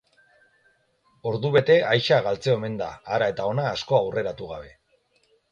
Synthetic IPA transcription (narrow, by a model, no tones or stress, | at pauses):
o̞ɾðuβe̞t̪e̞ajʃaɣalt͡seoeme̞nd̪a̰ːɾae̞t̪ao̞naːsko̞awre̞ɾat̪uɣaβ̞e̞